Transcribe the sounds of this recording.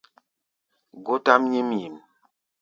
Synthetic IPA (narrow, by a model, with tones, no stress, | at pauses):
ɡo˦ta˦mɲi˦mji˨m